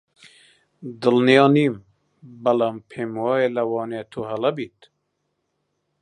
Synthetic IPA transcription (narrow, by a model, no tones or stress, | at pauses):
d̪ɨlnijɑːniːm | bɐlɑːmpʰeːmwɑːeːlɐwɑːneːt̪ʰoːɦɛlɛbit̪